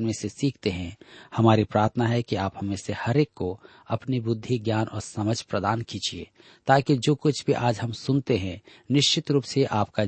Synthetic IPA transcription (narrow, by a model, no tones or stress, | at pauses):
nmẽsesiːkʰt̪eɦɛ̃hɐmaːɾipɾaːɾt̪ʰənaɦɛkiaːphɐmẽsehɐɾeːkːo | ɐpnibʊd̪ʱːiɡjaːnʔɔ̰ːɾsɐməd͡ʒʱpɾəd̪aːnkiːd͡ʒiḛ | t̪aːkid͡ʒoːkʊt͡ʃʰbʱiʔaːd͡ʒɦɐmsʊnt̪eɦɛ̃ | nɪʃt͡ʃɪt̪ɾuːpseʔaːpka